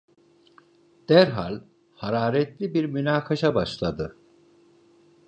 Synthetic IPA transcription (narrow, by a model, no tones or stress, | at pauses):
d̪̥æɾɦa̰lʲ | haɾaːɾɛt̪lʲibiɾmynaːkʰaʃabaʃlˠad̪ɯ